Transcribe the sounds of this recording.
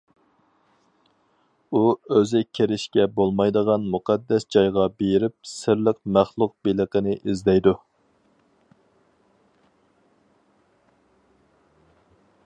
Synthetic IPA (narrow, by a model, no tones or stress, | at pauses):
uøzɪkʲʰeɾɪʃkʲɛbolˠmɑjd̪əʁɑnmuqʰɑd̪ːɛsd͡ʒɑjʁɑbeɾɪp̚sɪɾləqmæχlˠʊq̚beləqənɪʔizd̪ɛjd̪u